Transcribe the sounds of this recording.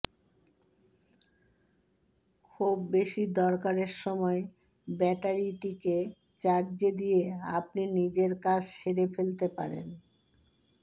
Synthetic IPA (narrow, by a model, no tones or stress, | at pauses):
kʰubːeʃid̪ɔɾkaɾeɾʃɔmɔe | bɛʈaɾiʈike | t͡ɕaɾd͡ʑed̪ijea̰p̚ninid͡ʑeɾkat͡ɕʰʃeɾefelt̪epa̰ɾḛn